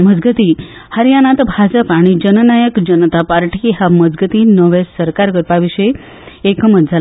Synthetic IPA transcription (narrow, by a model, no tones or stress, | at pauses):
məd͡zɡət̪i | həɾjanat̪bʱad͡ʑəpaɽ̃id͡ʑənənajəkd͡ʑənət̪apaɾʈʰiɦaməd͡zɡət̪iːnəʋesəɾkaɾɡəɾpaʋiɕəj | ekəmət̪̚d͡zʱal